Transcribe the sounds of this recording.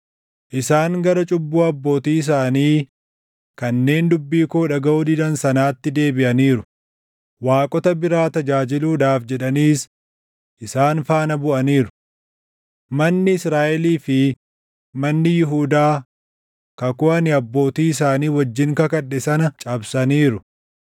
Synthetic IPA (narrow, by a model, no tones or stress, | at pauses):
ʔɪsaːŋɡɐɾɐt͡ʃʼʊbːuːɐbːo̞ːt̪iːɪs̬aːniː | kɐnːe̞ːnd̪ʊbːiːkoːᶑɐɡɐʔuːd̪ɪd̪ɐnsɐnaːt̪ːɪd̪e̞ːbɪʔɐniːɾʊ | waːkʼɔt̪ɐbɪɾaːt̪ɐd͡ʒaːd͡ʒɪluːd̪aːfd͡ʒɛᶑɐniːs | ʔɪsaːnfaːnɐbʊʔɐniːɾʊ̥ | mɐnːɪɪsɾaːʔɛliːfɪ | mɐnːɪjɪɦuːd̪aː | kɐkʊɐnɪɐbːo̞ːt̪iːɪs̬aːniːwɐd͡ʒːɪŋkɐkɐᶑːɛsɐnɐt͡ʃʼɐbsɐniːɾʊ